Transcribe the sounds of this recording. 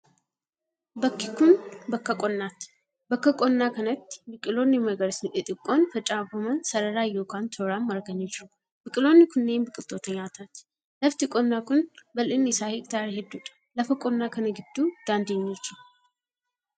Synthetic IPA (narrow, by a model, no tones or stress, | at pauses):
bɐkːikʊnbɐkːɐkʼɔnːat̪ | bɐkːɐkʼɔnːaːkɐnɐt̪ːbɪkʼɪlonːɪmɐɡɐɾsʔɪt̪ʼɪkʼːonfɐt͡ʃʼːabɐmɐnsɐɾɐɾaːjoːkʰant̪ʰoɾamːɐɾɡɐɲːɛd͡ʒɪɾu | bɪkʼɪlonːɪkʰʊnːeːnbɨkʼɪlt̪ʰːoːt̪ɐɲaːt̪ʰaːt̪ | lɐft̪ɪkʼɔnːaːkʊnbɐlɪnːɪsaːhɪkʼt̪ʰaːɾehɛd̪ːuᶑʼɐ̥lɐfɐkʼɔnːaːkɐnɐɡɪd̪ːud̪̥aːnd̪eɲːot͡ʃːɪ